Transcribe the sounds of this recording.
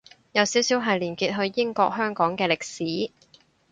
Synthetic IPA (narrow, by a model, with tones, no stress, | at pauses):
jɐ˨˧wsiː˨˥wsiː˨˥wɦɐ˨jliː˨˩nkiː˧t̚ɦɵ˧ɥjɪ˥ŋkɔː˧k̚hœː˥ŋkɔː˨˥ŋkɛː˧lɪ˨k̚siː˨˥